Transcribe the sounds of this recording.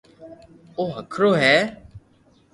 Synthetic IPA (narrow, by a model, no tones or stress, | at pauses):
oːɦəkʰɾoːɦɛː